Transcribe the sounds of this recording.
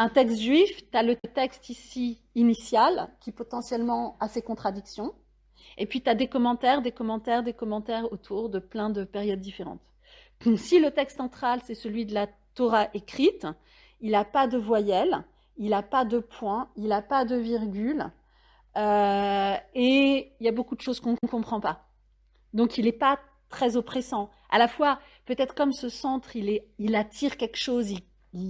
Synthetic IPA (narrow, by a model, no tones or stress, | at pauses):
ɛ̃t̪ɛkst̪ʒɥift̪yalət̪ɛkst̪isi | inisjalkʲipɔt̪ɑ̃sjɛlmɑ̃asekɔ̃t̪χad̪iksjɔ̃ | epɥit̪yad̪ekɔmɑ̃t̪ɛʁd̪ekɔmɑ̃t̪ɛʁd̪ekɔmɑ̃t̪ɛʁot̪ʰuʁd̪əplɛ̃d̪əpɛʁjɔd̪̚ːifeʁɑ̰̃t̪ | silət̪ɛkst̪sɑ̃t̪χalsɛsəlɥid̪əla | t̪ɔʁaʔekχit̪ | ilapad̪əvwajɛl | ilapad̪əpʰwɛ̃ilapad̪əviʁɡʲyl | ø | eiljabokud̪əʃozkɔ̃nək̪əkɔ̃pχɑ̃pa | d̪ɔ̃kilɛpa | t̪χɛzɔpχesɑ̃ | a̰lafwa | pøt̪ɛt̪χə̥kɔmsəsɑ̃t̪χilɛilat̪ʰiʁkʲɛlkʃozil | l